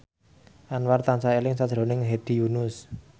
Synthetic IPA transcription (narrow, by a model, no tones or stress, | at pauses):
ʔanwart̪ansaelɪŋsad̥ʒ̥ɾo̤nɪŋɦed̪̥i̤junʊs